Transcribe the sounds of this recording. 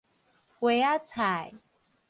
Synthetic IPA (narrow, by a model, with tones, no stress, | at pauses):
kwe˨˦a˦t͡sʰa˨˩j